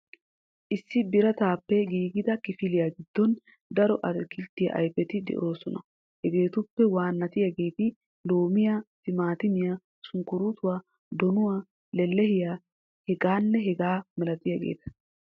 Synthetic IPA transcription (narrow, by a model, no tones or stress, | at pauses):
ʔɪsːɪbɪɾɐt̪aːpːɛɡiːɡɪd̪ɐkɪfɪlɪjaɡɪd̪̥ːɔn | d̪ɐɾɔʔɐɾkɪlt̪ːɪjɐ̰ʔɐ̰jpɛt̪ɪd̪ɛ̰ʔo̞ːsɔnɐ̰ | hɛɡe̞ːt̪ʊpːɛwaːnːɐt̪ɪjaɡe̞ːt̪ɪ | loːmɪjasɪmaːt̪ɪmɪja | sʊŋkːʊɾut̪ʊwaː | d̪ɔnʊwaː | lɛlːɛhɪjaː | hɛɡaːnːɛɦɛɡaːmɛlɐt̪ɪjaɡe̞̰ːt̪ɐ̥